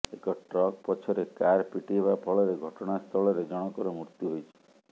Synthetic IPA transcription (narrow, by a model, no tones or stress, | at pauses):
ekɔʈɾɔk̚pɔt͡ʃʰɔɾekaɾpiʈiɦeβapʰɔɭɔɾeɡʱɔʈɔɽ̃ast̪ʰɔɭɔɾed͡ʒɔɽ̃ɔkɔɾɔmuɾt̪juɦojt͡ʃʰi̥